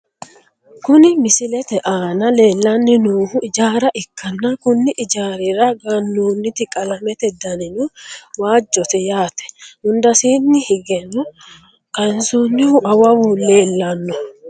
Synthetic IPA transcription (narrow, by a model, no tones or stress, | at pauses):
kʊnɪmɪsɪlɛt̪ɛʔaːnɐle̞ːlːɐnːɪnuːhʊɪd͡ʒaːɾɐʔɪkːɐnːɐkʊnːɪʔɪd͡ʒaːɾɪɾɐɡɐnːuːnːɪt̪ɪkʼɐlɐmɛt̪ɛd̪ɐnɪnuwaːd͡ʒːɔt̪ɛjaːt̪ɛ̥hʊnd̪ɐsiːnːɪhɪɡɛnɔ | kɐnsonːɪhʊʔɐwɐwʊle̞ːlːɐnːɔ